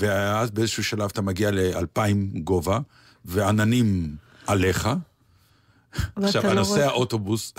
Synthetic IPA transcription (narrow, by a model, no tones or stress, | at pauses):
veazbeezeʃuːʃalavat̪amaɡialea̰lpaimɡo̞va | veananim | ʔale̞χa | aχʃavanosehaʔot̪o̞bus